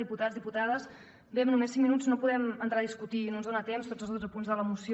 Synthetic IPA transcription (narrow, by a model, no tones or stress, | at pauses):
iput̪azðiput̪aðəs | bemnumesːiŋminud͡znopuðɛmənt̪ɾaðiskut̪inonzðonət̪emst̪od͡zəlzðod͡zəpunzðələmusi